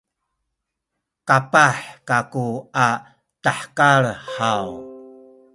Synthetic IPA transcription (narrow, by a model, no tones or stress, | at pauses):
kapaħkakua | taħkaɭħaw